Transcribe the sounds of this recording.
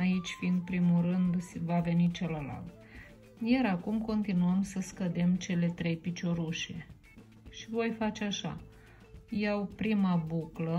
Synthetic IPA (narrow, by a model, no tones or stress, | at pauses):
ait͡ʃʲfind̪̚pɾimulrɨnd̪vave̞nit͡ʃeləla̰lt̪ | jaɾakumko̞nt̪inuəmsəskəd̪e̞mt͡ʃe̞le̞t̪ɾe̞jpit͡ʃo̞ɾuʃe̞̰ | ʃivo̞jfat͡ʃeaʃa̰ | jawpɾimabuklə